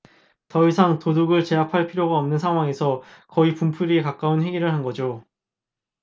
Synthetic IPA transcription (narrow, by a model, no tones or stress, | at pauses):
tʌisʰaŋtoduɡɯɭt͡ɕe̞apʰaɭpʰiɾjoɡaʌmnɯnsʰaŋɦwaŋe̞sʰʌkʌipumpʰuɾiekak͈aunɦe̞ɡiɾɯɭɦanɡʌd͡ʑo